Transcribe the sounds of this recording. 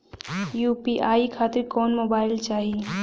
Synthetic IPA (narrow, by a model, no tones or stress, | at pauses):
jupiʔaikʰat̪iɾkɔːnmobaːilt͡ʃaːɦi